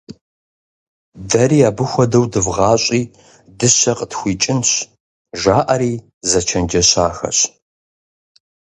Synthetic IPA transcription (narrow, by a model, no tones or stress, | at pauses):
dɐriːaːbɨxʷɔdɐwdɨvʁɑːɕʼiː | dɨɕɐqʼətxʷiːt͡ʃʼɪnɕ | ʒaːʔɐɾiː | zɐt͡ʃʰɐnd͡ʒɐɕaːxɐ̰ɕ